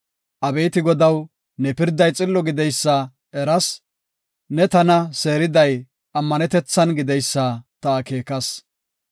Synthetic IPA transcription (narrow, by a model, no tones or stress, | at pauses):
ʔɐbeːt̪ɪɡɔd̪ɐw | nɛpɪɾd̪ɐjt͡sʼɪlːɔɡɪd̪ɛjsːɐ | ɛɾɐs | nɛt̪ɐnɐse̞ːɾɪd̪ɐj | ɐmːɐnɛt̪ɛt͡sːɐnɡɪd̪ɛjsːɐt̪ɐːke̞ːkɐs